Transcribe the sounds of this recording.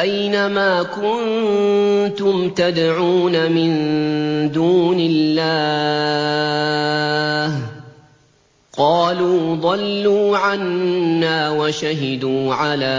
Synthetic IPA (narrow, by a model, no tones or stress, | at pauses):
ʔajnamaːkʊn | t̪ʊmt̪ad̪ʕuːnamɪn | d̪uːnɪlːaː | h | qɑːluːðˤɑlːuːʕanːaːwaʃaɦɪd̪uːʕalaː